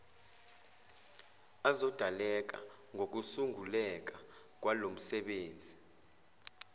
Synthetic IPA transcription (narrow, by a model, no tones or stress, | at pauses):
azɔd̥ʱalɛk̬ʼa̰ | ŋʱok̬usuŋulɛk̬ʼak̬ʼwalom̩sɛɓeːnd͡zʱi